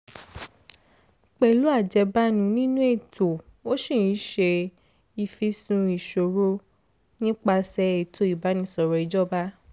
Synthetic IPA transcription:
k͡pɛ˨lu˨˦a˦˨d͡ʒɛ˨˧ba˦nũ˧˦nĩ˦nũ˦e˦˨to˨o˦ʃĩ˦˨ĩ˨˦ʃe˧ | i˧fi˧sũ˧i˨ʃo˨ɾo˧ | nĩ˦k͡pa˧sɛ˧˦e˨tʰo˦i˨ba˨˦nĩ˧˦sɔ˨ɾɔ˧˨i˨˧d͡ʒɔ˦˨ba˦

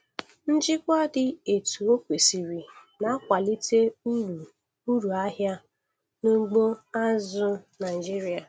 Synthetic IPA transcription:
n̩˦d͡ʒɪ˦kʷɔ˦dɪ˨e˨tu˨o˦kʷe˨si˨ɾi˨na˨˦kʷa˨li˦te˦˨ | u˦ɾu˨a˦ɦja˦ | nu˦ɡ͡bo˦a˦zʊ˦na˨ɪ˨d͡ʒi˦ɾi˨a˨

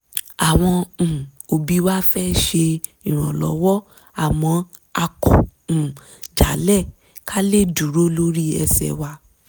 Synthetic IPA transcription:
a˨w̃ɔ̃˧˨o˨bi˨˦wa˦fɛ˦ʃe˧ĩ˨ɾ̃ɔ̃˨lɔ˨˦wɔ˦ | a˨mɔ̃˨˧˦ | a˧kɔ̰̃˨ | d͡ʒa˨˦lɛ˦˨ | ka˦le˦˨du˨˦ɾo˦lo˦ɾi˦ɛ̰˧sɛ̰˨wa˧

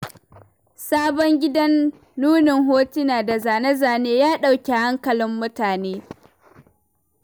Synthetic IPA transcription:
saː˦bɔ˦ŋɡʲɪ˦dɐ˦nː | uː˦nɪ˨ŋɦoː˦ti˦naː˨da˨zaː˨nɐ˦zaː˨neː˦jaː˦ɗa˦˨wkʲe˨ha˦ŋkɐ˨lɪ˦mːʊ˦taː˨neː˦

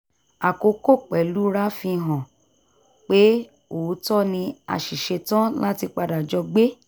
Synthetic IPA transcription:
a˨ko˧ko˦˨k͡pɛ˨lu˦ɾa˦fĩ˧ɦɔ̃˨ | k͡pe˦ | o˨˦tɔ˦˨nĩ˧a̰˨ʃi˨ʃe˧tã˦la˦ti˧k͡pa˧da˨d͡ʒɔ˧ɡ͡be˦

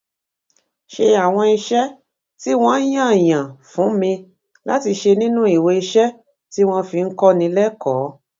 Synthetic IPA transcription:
ʃe˧a˨w̃ɔ̃˧i˧ʃɛ˦ | ti˦w̃ɔ̃˦jã˦˨jã˨fũ˨˦mĩ˧ | la˦ti˧ʃe˧nĩ˦nũ˦i˨we˧i˧ʃɛ˦ | ti˦w̃ɔ̃˦fi˧ŋ̩˦kɔ˦nĩ˧lɛ˦kɔː˨˦

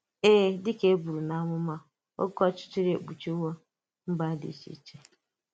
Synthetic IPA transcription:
eː˦dɪ˦ke˦bu˨ɾu˨na˦ŋʷʊ˦ma˦ | o̰˦kɔ˦t͡ʃɪ̥˦t͡ʃɪ˦ɾḛ˨k͡pu˨t͡ʃi˦wo˦ | m̩˦ba˦dḭ˨t͡ʃḭ˦t͡ʃe˦

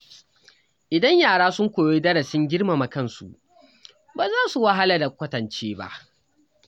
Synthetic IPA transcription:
ʔɪ˨dɐ˦ɲjaː˨ɽaː˦sʊ˦ŋkʷoː˨jeː˦dɐ˦ɽɐ˨sɪ˦ŋɡʲɪ˦ɽma˨ma˨kɐ˦nsṵ˨ʔ | baː˨zaː˦su˨wa˦ɦa˦la˨da˨kʷɐ˦tɐ˨nt͡ʃeː˦ba̰˦ʔ

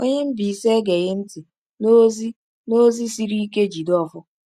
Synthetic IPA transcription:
o˦ɲe˦m̩˦bi˨se˦ɡe˨ɣɪ˦n̩˦tɪ˨ | no˦zi˦ | no˦zi˦si˦ɾi˦i˦ke˦d͡ʒi˨dɔ˦fʊ˦

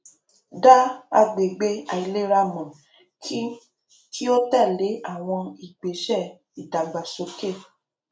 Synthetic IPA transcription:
da˦a̰˧ɡ͡be˨ɡ͡be˧a˨i˨le˦ɾa˧mɔ̃˨˦ | ki˦o˦tɛ˦˨le˨˦a˦˨w̃ɔ̃˧i˨ɡ͡be˨˦ʃɛ˦˨ | i˨da˨ɡ͡ba˨so˧˦ke˦˨

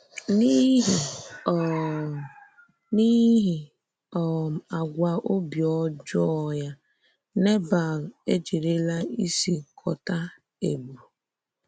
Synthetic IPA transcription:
ni˦ɦi˨ | ni˦ɦi˨ | ɔ˨m̩˨a˨ɡʷa˨ʔo˦bjɔ˦d͡ʒɔ˦˨ja˦ | ne˦ba˨le˦d͡ʒi˨ɾe˦la˦i˦si˨kʰɔ˨ta˦ | e˨ɡ͡bu˨

